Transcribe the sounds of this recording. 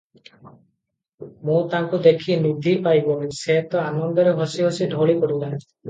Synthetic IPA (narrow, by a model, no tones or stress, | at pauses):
mũt̪aŋkud̪ekʰinud̪ʱipajbɔiseɦet̪ɔanɔnd̪ɔɾeɦɔsiɦɔsidʱoɭikɔɽula